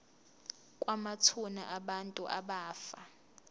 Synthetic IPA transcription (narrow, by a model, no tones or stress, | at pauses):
kʼwamat͡sʰuna̰ʔaɓantʼuʔaɓaːfa